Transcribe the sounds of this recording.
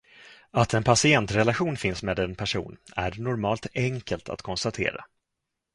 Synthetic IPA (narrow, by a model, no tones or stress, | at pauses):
at̪ʰɛnpʰasɪɛnt̪ɾɛlaɧuːnfɪnsmeːd̪ɛnpʰæʂṵːnæ̰ɾnʊɾmɑːlt̪ɛŋkəlt̪ʰa̰t̪kʰɔnst̪at̪ʰḛːɾa̰